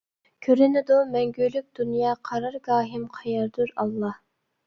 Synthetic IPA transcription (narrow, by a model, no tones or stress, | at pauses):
kʲʰøɾɪnɪd̪umɛŋɡʲylyk̚ʲd̪̥unjɑːqʰɑɾɑɾɡɑːɦɪmqʰɑjɑɾd̪uɾɑ̰lˠːɑh